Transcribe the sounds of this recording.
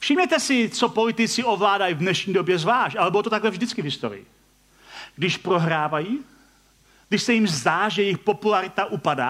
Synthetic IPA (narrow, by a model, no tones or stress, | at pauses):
fʃɪmɲɛt̪ɛsɪt͡sopo̞lɪt̪ɪt͡sɪovlaːdajivnɛʃɲiːdobjɛzvlaːʃcʔalɛbolot̪ot̪aɡlɛvʒdɪt͡skɪvɦɪst̪o̰ɾɪ̰ɪ̰ | ɡ̥dɪʃpɾoɦɾaːvaji | ɡdɪʃsɛjimzd̪aːʒɛjɛjɪxpo̞pulaɾɪt̪aʔupada̰ː